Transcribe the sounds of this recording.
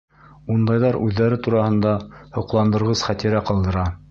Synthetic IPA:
und̪ɑjðɑɾʉðːæɾɘt̪uɾɑhɤ̆nd̪ɑhŏqlˠɑnd̪ɤ̆ɾʁɤsχæt̪iɾæqɑlˠd̪ɤ̆ɾɑ

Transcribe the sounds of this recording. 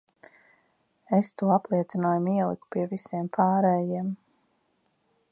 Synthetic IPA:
est̪uɔaplˠiɛt̪sinoːjumiɛlˠḭku̥piɛvisiɛmpʰaːɾɛːjiɛm

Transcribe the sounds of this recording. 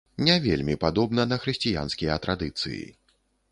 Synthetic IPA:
nʲɛvʲḛlʲmʲipad̪ɔbnɐnɐxɾɨsʲt͡sʲija̰nskʲijɐt̪ɾad̪ɨt̪sɨ̰jḭ

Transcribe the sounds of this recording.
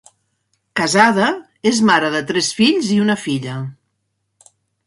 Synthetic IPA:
kəzaðə | ezmaɾəðət̪ɾɛsfiʎziunəfiʎə

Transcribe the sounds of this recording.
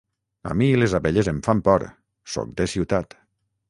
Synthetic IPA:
a̰milezaβeʎezeɱfampɔɾ | sɔ̰k̚d̪esiwt̪at̪

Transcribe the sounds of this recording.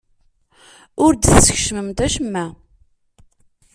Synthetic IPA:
ʊɾd̪θsə̥ç̥ʃməmt̪æʃəmːæ

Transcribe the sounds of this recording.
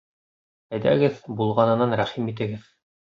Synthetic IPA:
æjd̪æ̰ɡɘðbulˠʁɑnɤ̆nɑnɾæχimit̪ɘ̆ɡɘð

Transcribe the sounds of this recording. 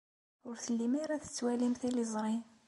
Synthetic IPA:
ʊɾθəlːimiɾæθə̥t͡sːwælimθilizˤɾˤin

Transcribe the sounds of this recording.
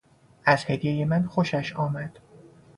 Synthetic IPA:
ʔæz̥hed̪jejemænxoʃæʃɒːmæd̪̥

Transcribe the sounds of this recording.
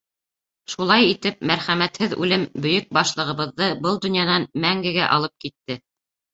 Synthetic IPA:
ʃulˠɑjit̪ɘp̚mæɾχæmæt̪hɘðʉ̰lɘmbɵ̆jɵk̚bɑʃlˠɤ̆ʁɤ̆βɤ̆ðːɤbɤlˠd̪ɵ̆njɑnɑnmæŋɡɘ̆ɡæʔɑ̰lˠɤp̚kit̪ːɘ

